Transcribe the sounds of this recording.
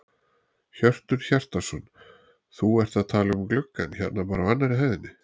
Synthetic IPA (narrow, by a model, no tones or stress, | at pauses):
çœr̥t̪ʏɾ̥çar̥t̪asɔn | θuɛr̥t̪aðt̪ʰaːlɪɣʏmklʏkːançɛt̪̚napaːɾaanːaɾɪɦɛðɪnːɪ